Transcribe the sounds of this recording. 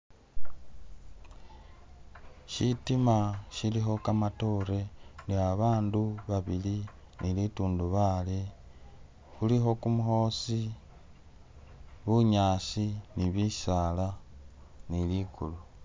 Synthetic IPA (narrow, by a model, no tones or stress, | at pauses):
ʃitimaʃilixo̞kamato̞ɾe̞ndiaβaːnduβaβili | nilituːnduβale | xulixo̞kumuho̞ːsi | βuɲaːsiniβisala | nilikṵlu